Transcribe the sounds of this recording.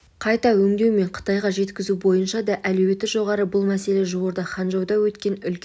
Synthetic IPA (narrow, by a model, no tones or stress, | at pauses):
qʰɑjt̪ɑwɵŋd̪e̞wme̞ɴqʰə̥t̪ɑjʁɑʒe̞t̪kʲɪzubo̞jənʃɑd̪ɑʔælɵwe̞t̪ːɪʒo̞ʁɑɾəbʊlˠmæse̞le̞ʒowoɾd̪ɑχɑnʒɑwd̪ɑwɵt̪kʲe̞nʏlʲ